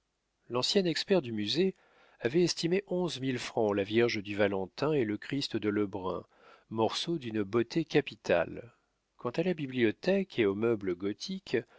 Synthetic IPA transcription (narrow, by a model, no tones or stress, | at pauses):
lɑ̃sjɛnɛkspɛʁd̪ymyze | avɛɛst̪imeʔɔ̃zmilfχɑ̃lavjɛʁʒəd̪yvalɑ̃t̪ɛ̃eləkχist̪d̪ələbʁɛ̰̃ | mɔʁsod̪ynbot̪ʰekapit̪ʰa̰l | kɑ̃t̪alabibliɔt̪ɛkʰeomœbləɡɔt̪ʰik